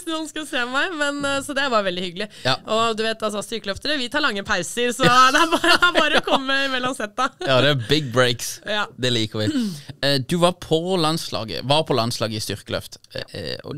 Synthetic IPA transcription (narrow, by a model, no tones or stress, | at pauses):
nːhnskʉlseːpɔmæɪmɛnsɔd̪ɛæɾʋɑɾʋɛld̪ɪhʏɡəlɪɑʔɔd̪ʉʋeɪt̪ɑls̬ɔst̪ʏɾkəlœft̪əɾəʋɪt̪ʰɑːɾɭɑŋːəpʰæɪsəɾsɔd̪ɛæbɑɾəæɾɑːɾəkʰɔmːəɪmɛlːɔnsɛt̪ːɑjɑd̪ɛæbɪɡ̚bɾeɪksjɑːd̪ɛliːkəɾʋɪ | d̪ʉʋɑɾpʰɔlɑnslɑ̰ːɡə̰ʋɑɾpʰɔlɑnslɑːɡəɪst̪ʏɾkəlœ̰ft̪ | ɔ̰